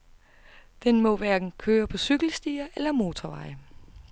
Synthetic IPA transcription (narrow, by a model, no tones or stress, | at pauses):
d̥enmɒ̽ʋæɐɡ̥n̩kʰøːɐpʰɒ̽syɡ̥l̩sd̥iːɐʔelɐmo̝ːt͡sʰɒʋɑ̈ɪə